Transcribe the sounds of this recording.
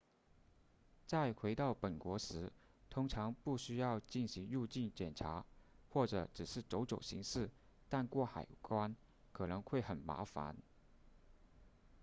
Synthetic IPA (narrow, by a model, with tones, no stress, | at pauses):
t͡sa˥˩ɪxwe˧˥ɪt̪ɑ˥˩ʊpə˨˩nkwɔ˧˥ʂɻ̩˧˥ | t̪ʰʊ˥ŋʈ͡ʂʰɑ˧˥ŋpu˥˩ɕy˥jɑ˥˧ʊt͡ɕi˥˩nɕi˧˥ŋɻu˥˧t͡ɕi˥˩nt͡ɕjɛ˨˩nʈ͡ʂʰa˧˥xwɔ˥˩ʈ͡ʂɤ˨˧˦ʈ͡ʂɻ̩˨˩ʂɻ̩˥˩ʈ͡ʂo˧˥ʊʈ͡ʂo˨˩ʊɕḭ˧˥ŋʂɻ̩˥˧ | t̪a˥˧nkwɔ˥˩xa̰˨˩ɪkwa˥n | kʰɤ˨˩nɤ˧˥ŋxwe˥˩ɪxə˨˩nma̰˧˥fa̰˧˥n